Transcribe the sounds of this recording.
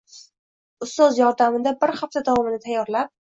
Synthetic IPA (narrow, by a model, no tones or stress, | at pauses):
ʊst̪ɒzjɒɾd̪amɪd̪abɪɾhaft̪ʰad̪avɒmɪnɪt̪ʰajːɒɾlap̚